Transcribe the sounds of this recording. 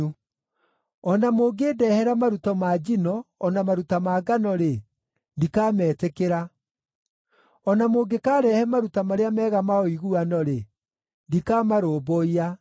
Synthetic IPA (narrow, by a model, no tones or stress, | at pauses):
u | ɔnamoːɡeːdɛhɛɾamaɾutɔmaːd͡ʒinɔːnamaɾutamaːɡanɔɾe | ndikaːmɛːtekeɾa | ɔnamoːɡekaːɾɛhɛmaɾutamaɾeamɛːɣamaɔiɣuanɔɾe | ndikamaɾoːboia